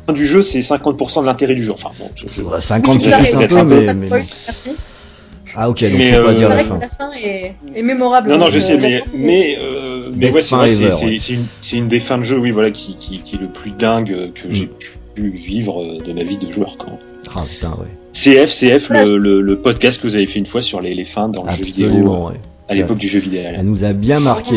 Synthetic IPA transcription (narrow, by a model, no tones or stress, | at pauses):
ɛ̃d̪yʒøsɛsɛ̃kɑ̃t̪̚puʁsɑ̃d̪əlɛ̃t̪eʁɛd̪yʒuʁɑ̰̃fɛ̰̃bɔ̰̃ʒ̥ə̰ʒsɛ̃kɑ̃zɛsɛt̪ɛ̃mpmɛsi | aokʲemɛøiʁaflafɛ̃ememɔʁablnɔ̃nɔ̃ʒəssɛmɛmɛømɛwɛsɛvʁɛvɛʁsɛsɛynsɛynd̪efɛ̃d̪əʒøwivwalakʲʰikʲikʲiɛləplyd̪ɛ̃ɡøkʰəʒepʰy̥ | yvivʁød̪əmavid̪əʒwœ̰ʁkwã | a̰pt̪ɛ̰̃wɛ̰seɛfseɛflələləpɔd̪kast̪̚kəvuzavefɛynfwasyʁlelefɛ̃d̪ɑ̃ləʒøvid̪eõwɛ̰ | alepɔk̚d̪yʒøvid̪ealnuzabjɛ̃maʁkʲe